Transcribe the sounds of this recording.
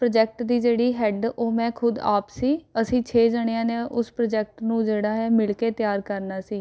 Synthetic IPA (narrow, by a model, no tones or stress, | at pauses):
pɾəd͡ʒɛːk̚ʈd̪iːd͡ʒeːɽiːɦɛːɖoːmɛ̃ːkʰʊd̪a̰ːpsiːəsĩːt͡ʃʰeːd͡ʒəɽejãːneːʔʊspɾəd͡ʒɛːk̚ʈnũːd͡ʒeːɽaːɦɛːmɪlkeːt̪jaːɾkəɾnaːsiː